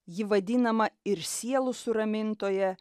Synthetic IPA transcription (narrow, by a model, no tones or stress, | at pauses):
jɪʋɐd̪ʲɪnɐmɐɪɾsʲiɛlˠʊsʊɾɐmʲɪnt̪oːjɛ